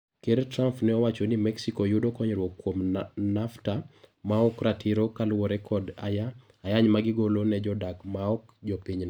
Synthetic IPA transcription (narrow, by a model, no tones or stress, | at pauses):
keɾtɾampnɛɔwat͡ʃɔnimɛksikɔjudɔkɔɲɾwɔkːwomnaftamaɔkɾatʰiɾokalwɔɾɛkʰɔdaa | ajaɲmaɡɪɡolonɛd͡ʒɔdakmaɔkd͡ʒɔpiɲn